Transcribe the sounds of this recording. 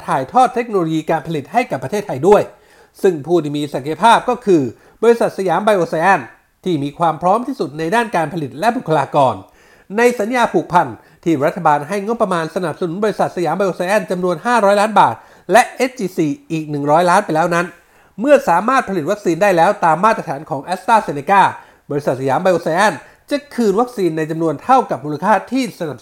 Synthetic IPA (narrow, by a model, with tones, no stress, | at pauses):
t̪ʰaː˨˩jt̪ʰɔː˥˩t̪ʰːe˦˥k̚noː˧loː˧jiː˧kaː˧npʰa˧li˨˩t̪̚ha˥˩jka˨˩pːɾt̪ʰeː˥˩t̪ʰːa˧jdu˥˩əj | sɯ˥˩ŋpʰuː˥˩t̪ʰiː˥˩miː˧sa˨˩˦ka˧pʰaː˥˩p̚kɔː˥˩kʰɯː˧ | bɔː˧ɾi˧sa˨˩t̪̚sa˧jaː˩˦mba˧jʔoː˧sa˧ʔɛː˥˩n | t̪ʰiː˥˩miː˧kʰwaː˧mpʰɾɔː˦˥mt̪ʰiː˥˩su˨˩t̪̚na˧jdaː˥˩nkaː˧npʰa˧li˨˩t̪̚lɛ˦˥bu˨˩kʰːa˧laː˧kɔː˧n | na˧jsa˨˦njaː˧pʰuː˨˩k̚pʰa˧n | t̪ʰiː˥˩ɾa˦˥t̪ʰːa˧baː˧nɦa˥˩jŋo˦˥pːɾa˧maː˧nsa˧na˨˩p̚sa˧nu˩˦nbɔː˧ɾi˧˥sa˨˩t̪̚sa˧jaː˩˦mba˧jʔoː˧sa˧jʔɛ˥˩nt͡ɕa˧mnu˧ənɦaː˥˩ɾɔː˦˥jlaː˦˥nbaː˨˩t̪̚ | lɛ˦˥ʔe˦˥t̚t͡ɕiː˧siː˧ʔiː˨˩k̚nɯ˨˩ŋɾɔː˦˥jlaː˦˥npa˧jlɛː˦˥wna˦˥n | mɯ˥˩ɐsaː˩˦maː˥˩t̪̚pʰli˨˩t̪̚wa˦˥k̚siː˧ndaː˥˩jlɛː˦˥wt̪aː˧mːaː˥˩t̪ɾa˧t̪ʰaː˩˦nkʰɔː˩˦ŋʔɛː˦˥s̚t̪aː˥˩se˧ne˧kaː˥˩ | bɔː˧ɾi˧sa˨˩t̪̚sa˧jaː˩˦mba˧jʔoː˧sa˧ʔɛ˥˩n | t͡ɕa˨˩kʰɯː˧nwa˦˥k̚siː˧nːa˧jt͡ɕa˧mnu˧ənt̪ʰa˥˩wka˨˩p̚muː˧la˧kʰaː˥˩t̪ʰiː˥˩sa˧na˨˩p̚